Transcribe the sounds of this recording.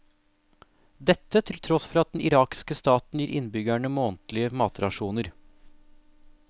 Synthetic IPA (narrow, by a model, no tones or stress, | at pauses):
d̪ɛt̪ːət̪ʰɪlt̪ʰɾɔsfɾɑt̪̚d̪ɛnɪɾɑːkɪ̥skəst̪ɑːt̪n̩jiːɾʔɪnbʏɡæɳəmoːnt̪lɪəmɑːt̪ɾɑʂuːnəɾ